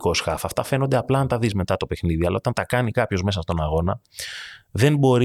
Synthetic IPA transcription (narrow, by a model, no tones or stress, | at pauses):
ko̞sxɐfɐft̪ɐfe̞no̞nd̪e̞ɐplɐɐnt̪ɐðizme̞t̪ɐt̪o̞pe̞xniðiɐlɐo̞t̪ɐnt̪ɐkɐnikɐpço̞zme̞s̬ɐst̪o̞nɐɣo̞nɐ | ðe̞nbo̞ɾi